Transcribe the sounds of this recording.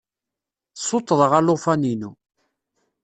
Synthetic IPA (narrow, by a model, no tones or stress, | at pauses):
sot̪ˤːðˤəʁalofaninu